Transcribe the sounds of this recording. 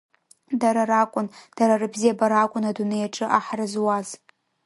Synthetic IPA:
daɾaɾakʷʼʊnd̥aɾarɨbzijabaɾakʷʼʊnadunejaʈ͡ʂʼɨʔaħrɨzwaz

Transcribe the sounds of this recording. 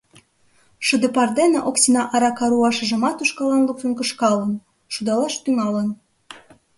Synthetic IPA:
ʃə̆d̪ĕpɑrd̪eneʔoksinɑʔɑɾɑkɑɾuɑʃə̆ʒə̆mɑt̪uʃkɑlɑnlukfənkəʃkɑlə̆n | ʃud̪ɑlɑʃt̪yŋɑlən

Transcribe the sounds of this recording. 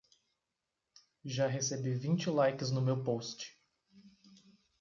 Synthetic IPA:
ʒaɦesebivĩnt͡ʃɪlajkɪznʊmewpost͡ʃɪ̥

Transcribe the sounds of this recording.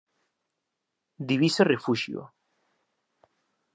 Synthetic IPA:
d̪iβiserefuʃjo̰

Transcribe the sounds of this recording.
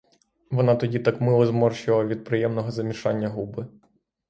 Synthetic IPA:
ʋɔnɑt̪ɔdʲit̪ɑkmɪlˠɔzmɔrʃɪlˠɐʋʲid̪̚pɾɪjɛmnɔɦɔzɐmʲiʃɑnʲːɐɦubɪ

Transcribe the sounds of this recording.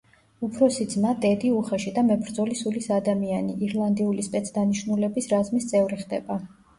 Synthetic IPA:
upʰɾɔsid̪znad̪ɛd̪iuχaʃid̪amɛbɾd̪zɔlisulisad̪amianiʔiɾlˠand̪iulispʼɛt̪sʰd̪aniʃnulɛbisɾazmist̪sʼɛvɾiχd̪ɛ̰ba

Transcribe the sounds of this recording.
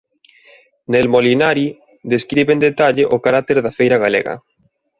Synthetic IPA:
nelmolinaɾji | ðeskɾiβend̪et̪aʎeʔokaɾat̪eɾðafejɾaɣalḛɣa̰

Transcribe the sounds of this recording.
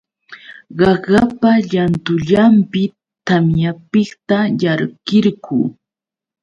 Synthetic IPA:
ɢɑɢɑpaʎant̪ʊʎampɪ | t̪amjapɪkt̪ajaɾɢɪɾɢuː

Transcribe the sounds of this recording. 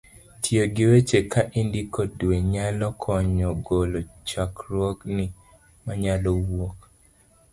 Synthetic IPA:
tʰjoɡɪwet͡ʃekaʔindikɔdweɲalɔkʰɔɲɔɡolot͡ʃakɾwɔknɪ | maɲalɔwok

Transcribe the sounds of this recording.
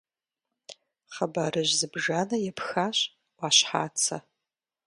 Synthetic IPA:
χabarɨʒzɨbʒanɐjɛpʰxaɕʼ | waɕħa̰ːt͡sʰa̰

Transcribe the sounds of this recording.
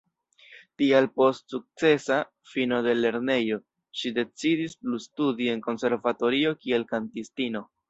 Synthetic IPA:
tialpo̞stsuk̚t͡se̞sa | fino̞de̞le̞ɾne̞jo̞ | ʃide̞t͡sidisplustudie̞nko̞nse̞ɾvato̞ɾio̞kie̞lkantistino̞

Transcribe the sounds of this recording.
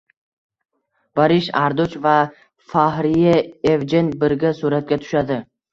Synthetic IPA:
baɾɪʃaɾd̪ʊt͡ʃva | faɦɾɪjaevd͡ʒɪnbɪɾɡʲasuɾat̪̚ɡʲat̪ʰʊ̥ʃad̪ɪ

